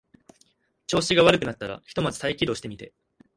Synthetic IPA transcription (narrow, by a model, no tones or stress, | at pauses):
t͡ɕo̞ːɕiɡaβaɾɯ̟kɯ̟nat̪ːaɾa̰çi̥t̪o̞mat͡sɨ̥t̪aikʲid̪o̞ːɕi̥t̪e̞mʲit̪e̞